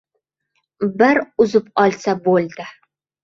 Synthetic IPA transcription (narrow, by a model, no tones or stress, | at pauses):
bɪɾʊzɪpɒlˠsabolˠd̪ɪ